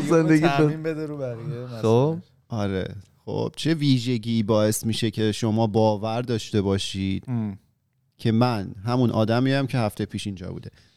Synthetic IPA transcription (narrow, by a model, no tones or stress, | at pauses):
zend̪eɡ̪iæeiːmbed̪eɾubæɾiemæo | ɒɾḛχo̞̰b̥̚t͡ʃʰe̞viːʒe̞ɟiːbɒːe̞smiːʃe̞cʰe̞ʃo̞mɒːbɒːvæɾd̪ɒːʃt̪e̞bɒːʃiːd̪̥ | cʰe̞mænɦæmunʔɒːd̪æmijæmcʰe̞ɦæft̪ejpʰiːʃind͡ʒɒ̰bṵːd̪e̞